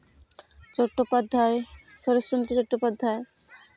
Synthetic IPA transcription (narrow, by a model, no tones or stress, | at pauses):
t͡ɕɔʈːopad̪ʱːaeʃɔɾosɾont̪ɾit͡ɕɔʈːopad̪ʱːae